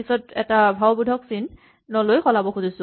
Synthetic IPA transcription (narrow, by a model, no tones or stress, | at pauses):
isɔtɛ̰tabʱawbudʱɔksinː | ɔlojxɔlabɔxuzisʊ̃